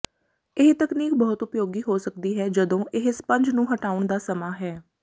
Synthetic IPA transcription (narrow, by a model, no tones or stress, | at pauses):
ɪɦt̪əkniːk̚bɔːt̪ʊpjoːɡiːɦoːsəkd̪iːɦɛːd͡ʒəd̪õːʔɪɦspəɲd͡ʒnũːɦəʈaːʊɳd̪aːsəmaːɦɛː